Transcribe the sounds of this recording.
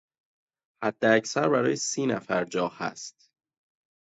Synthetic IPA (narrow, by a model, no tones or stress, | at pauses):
hæd̪̥ːeæcsæɾbæɾɒːjesiːnæfæɾd͡ʒɒːhæ̰st̪